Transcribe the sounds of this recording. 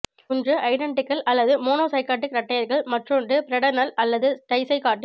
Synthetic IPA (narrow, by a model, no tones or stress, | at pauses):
ʊndrɯʔɐɪɾɐɳɖɪkːɐlɐlːɐðɯmoːnoːsɐɪkaːʈ̬ːɯkɾɐʈːɐjɐɾɣɐɭmɐʈrɯndɯpɪɾɐɽɐnɐlɐlːɐðɯʈɐɪsɐɪkaːʈːɪ